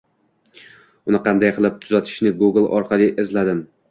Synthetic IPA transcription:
ʊnɪqʰɑnd̪ajqʰɨlˠɪp̚t̪ʰʊzat̪ʰɪ̥ʃnɪɡuɡlˠɒ̰ɾqʰɑlˠɪʔɪzlad̪ɪm

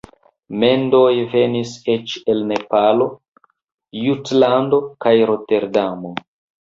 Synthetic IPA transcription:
me̞ndo̞jve̞nise̞t͡ʃe̞lne̞palo̞ | jutlando̞kajɾo̞te̞ɾdamo̞

